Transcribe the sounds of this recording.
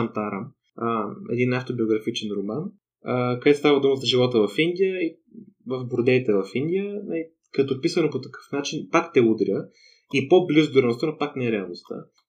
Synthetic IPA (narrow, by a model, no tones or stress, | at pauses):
nt̪aɾəm | əɛ̰d̪inaft̪obioɡɾɐfit͡ʃɛnɾoman | əkəd̪ɛt̪st̪avɐd̪uməzɐʒivɔt̪əvɐfind̪ʲijəi | vɐfbʊɾd̪ɛit̪ɛvɐfind̪ʲijənɐi | kɐt̪opisənopot̪ɐkɤ̥fnat͡ʃinpakt̪ɛud̪ɾʲə | ipoblizʊd̪oɾɛnst̪ənopaknɛɛɾɛɐlˠnost̪ə̰